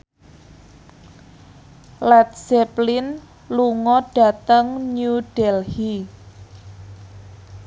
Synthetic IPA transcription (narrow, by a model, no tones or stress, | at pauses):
lɛt̪̚sɛplɪn | luŋɔɖ̥a̤t̪əŋɲuɖ̥ɛlhi